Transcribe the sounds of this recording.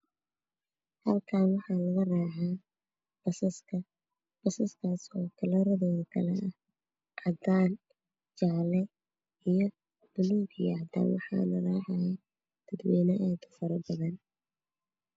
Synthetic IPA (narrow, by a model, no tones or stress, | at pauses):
hɐlkʰaːnwɑħɑːlɐɣɐraːʕaː | b̥ɐsɐskʰɐ | b̥ɐsɐskʰaːsɔːkʰɐlɐɾɐðɔːðɐkʰɐ̰lɛʔɐh | ʔɑd̪aːn | t͡ʃɑʕlɛ | ijɔ | b̥ʊluːɡjɐʕd̪a̰ːnwɑ̰ħɑ̰ːlɐraːʕajɛ | d̪̥ɐd̪wɛːnɐʔɛːd̪ʊ̥fɐɾɐbɐðɐn